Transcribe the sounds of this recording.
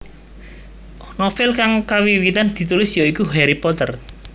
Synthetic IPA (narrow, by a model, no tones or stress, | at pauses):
nɔfɪlkaŋkawiwit̪and̪̥i̤t̪ulɪsjoikuɦɛɾipɔt̪ər